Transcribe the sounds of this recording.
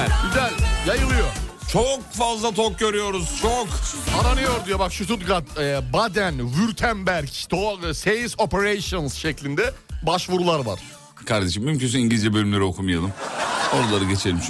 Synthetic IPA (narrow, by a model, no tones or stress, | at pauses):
id̪æjajɯlˠɯjo | t͡ʃʰok̚fazlˠat̪ʰok̚ɟø̞ɾyjo̞ɾuz̥t͡ʃʰokpʰaɾanijoɾd̪ujobakʃut̪ʰut̪ɡat̪ɛbad̪ænvyɾt̪ʰæmbæɾct̪ʰosejisopʰeɾejsonsʃɛclʲind̪ɛbaʃvuɾulˠaɾvaɾ̥ | kʰaɾd̪e̞ʃimːymcʰyns̬yniɲɟilʲid͡ʒɛbølʲymlʲeɾio̞kʰumɯjalˠɯmoɾalˠaɾɯɟe̞t͡ʃʰelʲimt͡ʃʰ